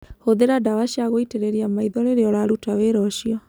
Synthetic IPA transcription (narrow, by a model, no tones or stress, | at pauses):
hoðeɾadawaɕiaɣoiteɾeɾiamaiðɔɾeɾeɔɾaɾutaweɾɔʃiɔ